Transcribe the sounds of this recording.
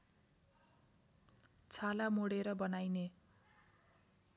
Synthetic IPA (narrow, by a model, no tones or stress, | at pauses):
t͡sʰalamoɽeɾʌbʌnajne